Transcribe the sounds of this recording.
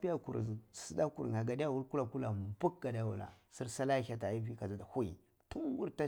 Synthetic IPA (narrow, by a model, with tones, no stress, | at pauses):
pi˦ja˦kṵ˨ɾsi˦da˦kṵ˨ɾŋa˨ɡa˨da˦a˦˨wu˦lku˦la˨ku˦la˨m˨bu˦k̚ɡa˨dja˦wṵ˨la̰˨si˦ɾsa˦la˦ça˨ta˨˦vi˦ka˨za˨da˨hu˦ḭ˨ | tu˦nwu˦ɾta˦